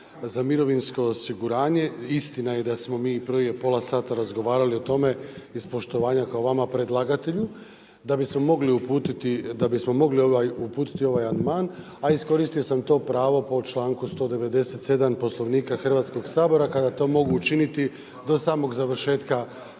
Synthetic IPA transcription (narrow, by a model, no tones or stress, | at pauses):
zamiɾo̞ʋinsko̞ːsiɡuɾaːɲe̞ist̪inaje̞d̪asmo̞miːprʋije̞po̞lasaːt̪aɾazɡo̞ʋaːɾalio̞t̪o̞me̞ispo̞ʃt̪o̞ʋaːɲakaoʋamapɾe̞d̪lˠaɡat̪e̞ʎu | d̪abismo̞mo̞ɡliupuːt̪it̪id̪abismo̞mo̞ɡlioʋajupuːt̪i̥t̪io̞ʋajand̪maːn | aisko̞ɾist̪io̞samt̪o̞ːpɾaːʋo̞po̞t͡ʃlˠaːŋkust̪o̞ːd̪e̞ʋe̞d̪e̞se̞t̪se̞d̪ampo̞slˠo̞ʋniːkaxr̩ʋat̪sko̞ɡsaːbo̞ɾakad̪at̪o̞ːmo̞ɡuːt͡ʃinit̪i | d̪o̞saːmo̞ɡzaʋrʃe̞ːt̪ka